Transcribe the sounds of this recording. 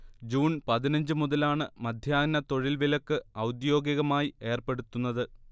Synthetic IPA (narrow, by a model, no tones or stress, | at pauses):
d͡ʑuːnpɐðinɐɲd͡ʑɨmuðɐlaːɳɨmɐd̪ʱjaːɡnɐt̪o̞ɻilʋilokːɨɐwd̪jo̞ːɡjɐɣɐmaːjie̞ːrpe̞ɽut̪ːunːɐðɨ